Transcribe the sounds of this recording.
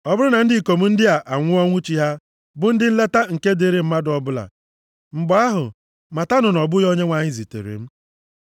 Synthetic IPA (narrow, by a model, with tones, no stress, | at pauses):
ɔ˦bʊ˦ɾʊ˦na˨n̩˦dɪ˦˨ko˨m̩˦n̩˦dɪ˦a˨ʔa˨ŋʷʊ˦ɔ˦ŋʷʊ˦t͡ʃi˦ɦa˦ | bʊ˦n̩˦dɪ˦n̩˦le˦ta˦ŋ̩˨ke˦de˦ɾe˨m̩˦ma˦dɔ˨bʊ˦la̰˨ | m̩˨ɡ͡bɔ˨˦a˦ɦʊ̰˨ | ma˨ta˦nʊ˨nɔ˨bʊ˦jo˦ɲe˦ŋʷa˨ɲɪ˦zi˨tḛ˨ɾḛ˨m̩˦